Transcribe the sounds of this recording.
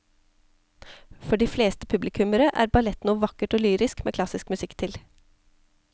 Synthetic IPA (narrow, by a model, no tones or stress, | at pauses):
fɔɖiːfleːst̪ə̥pʰʉblɪkʰʉməɾəʔæ̰ːɾbɑlɛt̪nuːʋɑkəʈoːlyːɾɪskmḛːkʰlɑsɪskmʉsɪkt̪ʰɪl